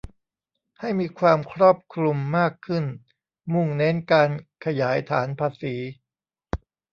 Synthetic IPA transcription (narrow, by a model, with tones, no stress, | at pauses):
ha˥˩jmiː˧kʰwaː˧mkʰɾɔː˥˩p̚kʰɾu˧mːaː˥˩kʰɯ˥˩n | mu˥˩ŋne˦˥nkaː˧nkʰa˧jaː˩˦jt̪ʰaː˩˦npʰaː˧siː˩˦